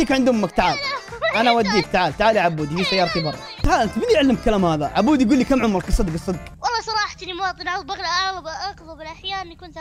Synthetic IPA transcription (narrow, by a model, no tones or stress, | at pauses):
iːkʕɪnd̪hʊmːak̚t̪aʕaːlʔanawad̪ːiːk̚t̪aʕaːlt̪aʕaːliʕabːuːd̪ifiːsajːɑːɾˤɑt̪ibɑrˤː | t̪aʕaːlʔant̪mɪnjɪʕlːɪmkalaːmhaːðaʕabuːd̪ijɡuːlːikamʕʊmɾˤkɨsˤːɨd̪ɡɨsˤːɨd̪ɡwɑlˤːɑsˤɑɾˤɑːħat̪nimawɑːt̪ˤɨnʕaðˤbɑɣlaʔɑɣlɑbʔɑqðˤʊbɪlʔaħjaːʔmikʊnt̪